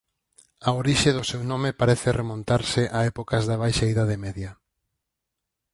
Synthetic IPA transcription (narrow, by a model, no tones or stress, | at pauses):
aoɾiʃeðʊsewnõmepaɾɛθeremõnt̪aɾsɪʔaɛpokɐzðɐβ̞ajʃaiðað̞emɛðjɐ